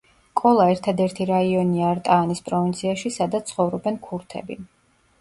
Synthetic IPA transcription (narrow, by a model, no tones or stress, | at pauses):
kʼɔlˠaɛɾt̪ʰad̪ɛɾt̪ʰiɾaiɔniaːɾt̪ʼaːnispʼɾɔvint̪sʰiaʃisad̪at̪sʰχɔvɾɔbɛnkʰuɾt̪ʰɛ̰bḭ